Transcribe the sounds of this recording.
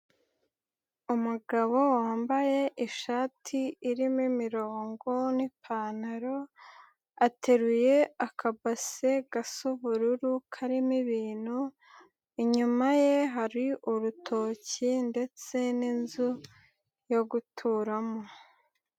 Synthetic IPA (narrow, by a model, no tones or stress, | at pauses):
umuɡaβo̞waːmbaje̞ʔiʃaːtʰiːɾimimiɾo̞ːŋɡo̞nipʰaːnaɾo̞ | atʰe̞ɾuje̞akʰabase̞ɡasuβuɾuɾukʰaɾimiβiːn̥hu | iɲumaje̞ɦaɾiʔuɾutʰo̞ːcinde̞t͡se̞ninzu | jo̞ɡutʰuɾamo